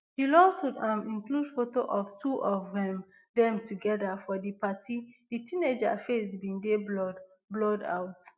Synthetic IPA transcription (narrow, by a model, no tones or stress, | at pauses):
hilɔsudamĩnkludfotoʔɔvtʰuʔɔvðɛ̃m | dɛ̃mtuɡɛdafɔdipatiditʰĩned͡ʒa̰fesbĩndeb | blɔda̰ʊt